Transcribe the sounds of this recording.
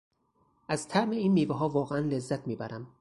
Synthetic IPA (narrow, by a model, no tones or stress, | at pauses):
ʔæzt̪ʰæʔmeiːnːiːveɦɒːvɒːɣeænlezːæt̪ʰmiːbæɾʔæm